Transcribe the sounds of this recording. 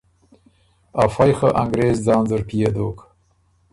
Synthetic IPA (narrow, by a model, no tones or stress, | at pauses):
afajxəʔaŋɡɾeːzd͡zɑːnzəɾpijed̪oːk